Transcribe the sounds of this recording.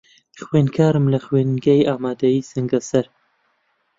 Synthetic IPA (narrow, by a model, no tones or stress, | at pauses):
xweːnkʰaːɾɨmlɐxweːnɡɐjaːmaːd̪ɐjiːsɨŋɡɐsɐɾ